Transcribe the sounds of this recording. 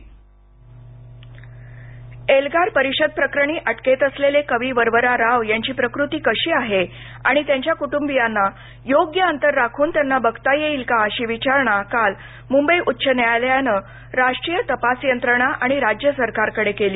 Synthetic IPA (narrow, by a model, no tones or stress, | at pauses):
elɡaɾpəɾiɕəd̪̚pɾəkɾəɳ̃iːʔəʈket̪əslelekəʋiːʋəɾʋəɾaɾaʋjaɲt͡ɕiːpɾəkɾut̪iːkəɕiːaɦe | a̰ɽ̃it̪jaɲt͡ɕjakuʈumbijanːa | joɡjəənt̪əɾːakʰuːnt̪janːabəɡt̪ajeiːlkaəɕiːʋit͡ɕaɾɳ̃akal | mumbəjʔut̪ːɕʰənjaljanə | ɾaʂʈɾijət̪əpasjənt̪ɾəɳ̃aʔaɽ̃iɾad͡ʑjəsəɾkaɾkəɽekeliː